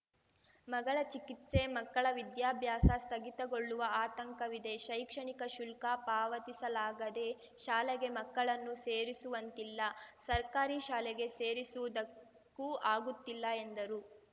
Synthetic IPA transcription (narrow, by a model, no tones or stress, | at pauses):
mɐɡɐɭɐt͡ʃikit̪se̞mɐkːɐɭɐʋid̪jaːbʱjaːsɐst̪ʰɐɡit̪ɐɡoɭːuʋɐaːt̪ɐŋkɐʋid̪e̞ʃɐjkʂɐɳikɐʃulkapaːʋɐt̪isɐlaːɡɐd̪e̞ | ʃaːlɛɡe̞mɐkːɐɭɐnːuseːɾisuʋɐnt̪ilːɐsɐɾkaːɾiʃaːlɛɡe̞seːɾisuʋud̪ɐ | kːuʔaːɡut̪ːilːɐend̪ɐɾu